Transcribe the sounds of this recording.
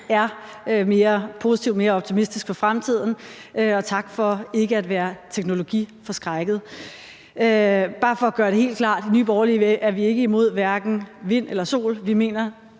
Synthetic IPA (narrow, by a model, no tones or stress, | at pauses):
æɐ | øme̝ːɐpʰo̝si̥t͡sʰiʊme̝ːɐɒ̽b̥t͡sʰimisd̥isɡ̥̚fɒ̽fʁamt͡sʰið̰ˠn̩ʔøɒ̽t͡sʰɑ̈ɡ̥fɒ̽e̝ɡ̥əæd̥ʋæːɐt͡sʰeɡ̥no̝lo̝ɡ̥ḭːfɒ̽sɡ̥ʁaɪɡ̥ð̩ˠ | øb̥ɑ̈ːfɒ̽æɡ̥ɶːɐɾ̥e̝he̝̰ːld̥kʰlɑ̰̈ːd̥inyːb̥ɒʊɐliʋeʔæɐʋie̝ɡ̥əimo̝ð̞̰ˠʋæɐɡ̥n̩ʋe̝n̰elɐso̝̰ːlʋime̝̰ːnɐ